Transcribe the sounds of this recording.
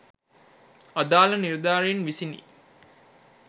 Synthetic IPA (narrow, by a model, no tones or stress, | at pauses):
ɐd̪aːlɐniɾd̪aːɾenʋisinḭː